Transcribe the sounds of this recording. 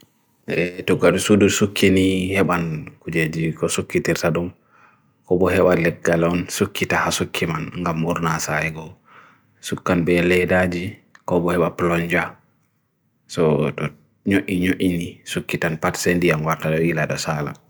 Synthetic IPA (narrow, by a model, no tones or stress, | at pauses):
ʔɛtuɡaɗusudusukʰːinihɛɓankud͡ʒed͡ʒikɔsukːitiɾtaɗum | kɔbɔhɛɓalɛɡːalɔnsukːitahasukʰːimanŋɡamːuɾnasaɛɡɔ | sukːanbɛlɛdad͡ʒikɔbɔhɛɓaplɔɲd͡ʒa | sɔtɔ | ɲoʔiɲoʔinisukːitanpatsendijanwaɾtaɗɔilaɗɔsala̰